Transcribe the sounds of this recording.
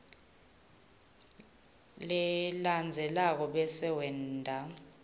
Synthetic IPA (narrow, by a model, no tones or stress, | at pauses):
lɛland͡zʱɛlak̬ɔɓɛsɛwɛndʱa